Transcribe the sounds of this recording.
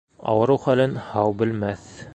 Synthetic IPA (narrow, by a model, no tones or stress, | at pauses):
ɑ̰wɤ̆ɾɤwχælɘnhɑwbɘ̆lmæθ